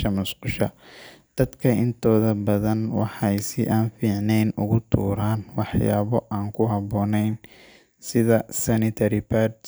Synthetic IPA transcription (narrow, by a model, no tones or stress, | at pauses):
ʃɐmʊsqʊʃɐd̪̥ɐd̪kʰɐɪnt̪ʰɔːðɐbɐðɐnwɑħɑjsɪʔaːnfiːʕnɛjnʊɣʊt̪ʰṵːɾaːnwɑħjaːβɔʔaːŋkʰʊɦɑβɔːnɛjn | sɪðɐsɐnɪt̪ʰɐɾɪpʰaːɾd̪